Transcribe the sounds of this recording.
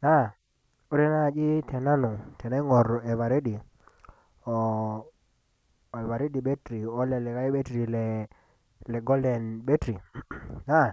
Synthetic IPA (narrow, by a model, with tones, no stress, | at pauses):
na˦˨ | o˦ɾe˦na˦˨d͡ʒi˦tʰɛ˨na˦nɔ˨tɛ˨na˦ŋɔ˨ɾɛ˨βa˨ɾe˦di˨ | ɔ˨ | ɛ˨βa˨ɾe˦di˨ɓe˦tɾi˨ɔ˦lɛ˨lɛ˨ka˦i˦ɓe˦tɾi˨lɛ˨ | lɛ˨ɡɔ˦ldɛ˨nɓe˦tɾi˨na˦˨